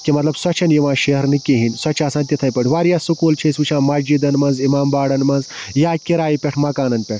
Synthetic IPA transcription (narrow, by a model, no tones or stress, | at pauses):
kimɐt̪lɐbswɐt͡ʃʰɐnjiʋãːʃeɦɐɾnikeɦinʲswɐt͡ʃʰaːsaːnʲt̪it̪ʰɐjpɐʈʰʲʋaːɾjaːsukuːlt͡ʃʰesut͡ʃʰãːmɐd͡ʒid̪ɐnmɐnzimaːmbaːɽɐnmɐnzjaːkiɾaːjipʲɐʈʰmɐkaːnɐnpʲɐʈʰ